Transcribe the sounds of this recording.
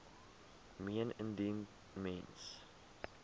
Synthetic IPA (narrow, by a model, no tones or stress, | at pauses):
miənə̃ndin | mɛ̃ns